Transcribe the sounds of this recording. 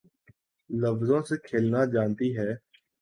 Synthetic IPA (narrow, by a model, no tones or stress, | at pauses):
ləfzõːseːkʰeːlnaːd͡ʒaːnt̪iːɦɛː